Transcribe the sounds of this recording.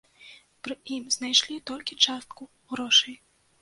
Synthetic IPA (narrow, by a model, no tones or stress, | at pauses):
pɾɨimznajʂlʲit̪ɔlʲkʲit͡ʂast̪̚ku | ɣɾɔʂɐj